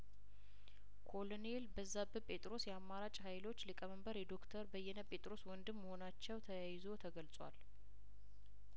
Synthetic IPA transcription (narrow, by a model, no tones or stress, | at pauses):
kʰo̞lonelbəzːabɨpʼe̞t̪ʼɾo̞sjɛamːaɾat͡ʃʼɦajlo̞t͡ʃːlɨkʼəməmbəɾjɛd̪o̞kt̪ʰəɾbəjːɛnəpʼe̞t̪ʼɾo̞swɔnd̪ɨmːəho̞nat͡ʃːɛwt̪ʰəjajɪzo̞t̪ʰəɡəlt͡sʼwa̰l